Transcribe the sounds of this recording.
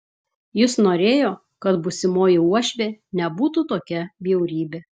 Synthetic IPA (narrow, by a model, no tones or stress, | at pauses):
jɪsnoːɾʲeːjoː | kɐt̪bʊsʲɪmoːjɪuɔʃʲʋʲeːnʲɛbuːt̪ut̪oːkʲɛbʲiɛʊɾʲiːbʲeː